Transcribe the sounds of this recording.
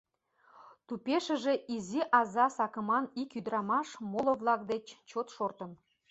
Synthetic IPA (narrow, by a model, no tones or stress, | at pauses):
t̪upʲeʃə̆ʒĕʔiziʔɑzɑsɑkə̆mɑnikyd̪ɾɑmɑʃmolŏvlˠɑk̚d̪et͡ɕt͡ɕot̪ʃort̪ə̆n